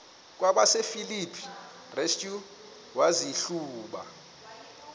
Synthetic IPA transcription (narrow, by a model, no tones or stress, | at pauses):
k̬ʼwaɓasefilipʰi̥ | reskʼju | waziɬuːɓa̰